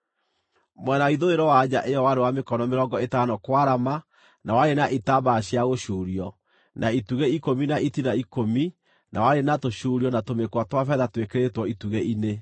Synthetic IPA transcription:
mwɛnaiðoeɾɔwad͡ʑaʔeɔwaɾewamekɔnɔmeɾɔːŋɡɔetanɔkwaɾama | nawaɾenaʔitabaɕjaɣoʃuːɾiɔ | nʔaituɣeikominaʔitinaikomi | nʔawaɾenatoʃuːɾiɔnatomekwatwafɛðatwekeɾetwɔituɣeʔine

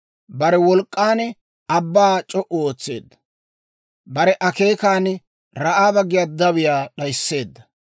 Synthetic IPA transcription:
bɐɾɛwɔlkʼːaːn | ɐbːaːt͡ʃʼɔʔʊoːt͡sːe̞ːd̪ːɐ̥ | bɐɾɛʔɐke̞ːkaːn | ɾɐʔaːbɐɡɪjad̪ɐwɪjaːɗɐjsːe̞ːd̪ːɐ

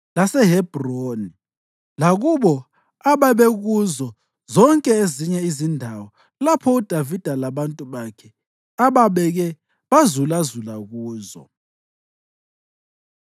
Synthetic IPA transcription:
lasɛɦɛb̥ʱroːni | laɣuβɔ | aβaβɛɣuzɔ | zɔŋkʼɛeziɲɛizindʱawɔ | lapʰɔud̥ʱavid̥ʱalaβantʼuβakʰɛ | aβaβɛɣɛ | βazulazulaɣuːzɔ̰

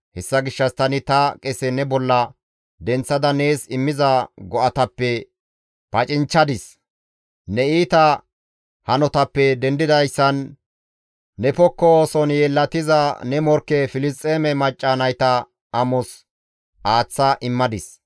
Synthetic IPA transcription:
hɛsːɐɡɪʃːɐst̪ɐnɪt̪ɐkʼɛsɛnɛbɔlːɐ | d̪ɛnt͡sːɐd̪ɐne̞ːsɪmːɪzɐɡɔʔɐt̪ɐpːɛ | pɐt͡ʃʼɪnt͡ʃːɐd̪ɪs | nɛiːt̪ɐ | hɐnɔt̪ɐpːɛd̪ɛnd̪ɪd̪ɐjsːɐn | ɛpɔkːɔsɔnjɛlːɐt̪ɪzɐnɛmɔɾkːɛfɪlɪst̪ʼːeːmɛmɐt͡ʃʼːanɐjt̪ɐ | ʔɐmɔs | ʔaːt͡sːɐʔɪmːɐd̪ɪs

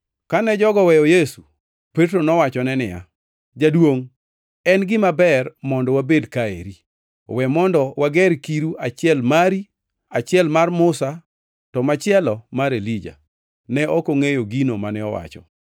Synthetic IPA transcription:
kanɛd͡ʒɔɡɔwɛjɔjesu | petɾonɔwat͡ʃɔnɛnɪja̰ | d͡ʒadwoŋ | ɛnɡɪmabɛrmɔndɔwabedkaḛɾi | wɛmɔndɔwaɡɛɾkiɾuat͡ʃɪɛlmaɾi | at͡ʃɪɛlmarmʊsa | tɔmat͡ʃɪɛlɔmaɾelid͡ʒa̰ | nɛʔɔkoŋejoɡinomanɛɔ̰wa̰t͡ʃɔ̰

